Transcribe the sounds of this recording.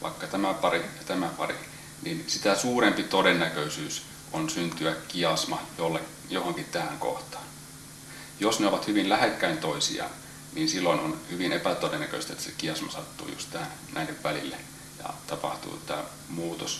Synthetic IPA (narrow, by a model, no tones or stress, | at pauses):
ʋʔɑ̰ikːɑt̪æmæpɑɾijɑt̪æmæpɑ̰rḭ | ninsit̪æsuːɾempit̪odenːækøisyːs | onsynt̪yækkiɑsmɑjolːe | johoŋkit̪t̪æhæŋko̰ht̪ɑ̥ːn | josneoʋɑt̪hyʋinlæhekːæint̪oisḭɑ̰ | niːnsilːoinonhyʋinepæt̪odenːækø̰st̪ḛt̪ːæsekiɑsmɑsɑt̪ːṵːjṵst̪t̪æːnnʔæineʋʋælilːe | jɑ̰t̪ɑpɑ̰ht̪ṵːt̪æ̰ː | muːt̪os